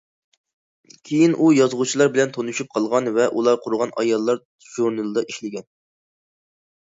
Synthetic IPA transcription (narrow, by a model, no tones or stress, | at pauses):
kʲʰejinʔujɑzʁut͡ʃʰilˠɑɾbɪlɛnt̪ʰonuʃyp̚qʰɑlˠʁɑnvɛʔulˠɑɾqʰʊɾʊʁɑnʔɑjɑlˠːɑɾ | ʒ̥uɾnɨlˠɨd̪ɑʔiʃlɪɡʲɛn